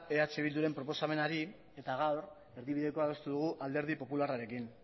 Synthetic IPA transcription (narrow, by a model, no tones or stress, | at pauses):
e̞at͡seβ̞ild̪uɾe̞mpɾo̞po̞same̞naɾi | e̞t̪aɣ̞awɾ | eɾðiβiðe̞ko̞aðo̞st̪uðuɣ̞uʔald̪e̞ɾð̞ipo̞pularaɾe̞kin